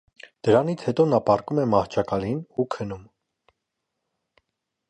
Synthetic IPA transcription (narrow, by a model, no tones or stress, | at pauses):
d̪̥əɾɑnit͡sʰhɛt̪ɔnɑpɑrkumɛmɑht͡ʃʰɑkɑlinukʰənum